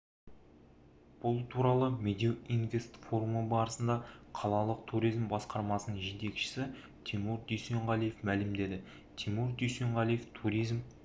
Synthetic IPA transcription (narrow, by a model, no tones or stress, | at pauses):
b̥ʊlˠt̪ʰuɾɑlˠəmed̪ʲiinve̞st̪fo̞ɾuməbɑɾəsənd̪ɑqʰɑlˠɑlˠəq̚t̪ʰuɾijzmbɑsqɑɾmɑsənəɴʒe̞t̪e̞kʃɪ̥sɪ | t̪ʰimuɾd̪yjse̞ɴʁɑlˠijefmælɪmd̪e̞d̪ɪ | t̪ʰimuɾd̪yjseɴʁɑlˠijeft̪ʰuɾijzm